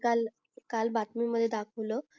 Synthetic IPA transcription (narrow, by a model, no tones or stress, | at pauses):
kal | kalbat̪miməd̪ʱːjed̪akʰəʋlə